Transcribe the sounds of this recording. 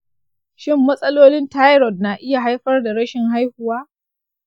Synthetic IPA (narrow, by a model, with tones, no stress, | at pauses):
ʃɪ˦mːɐ˦sʼɐ˦loː˦lɪ˦nta˦jɾɔ˨dnaː˨ʔɪ˦ja˨ɦa˦jɸɐ˦rda˨ɽɐ˦ʃɪ˨ŋha˦jhʊ˨waː˦